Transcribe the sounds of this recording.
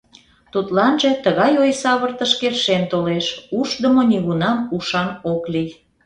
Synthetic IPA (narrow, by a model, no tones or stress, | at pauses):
t̪ut̪lɑnʒet̪əɣɑjojsɑβərt̪ə̆ʃkerʃent̪oleʃuʃd̪əmoniɣunɑmuʃɑnoklij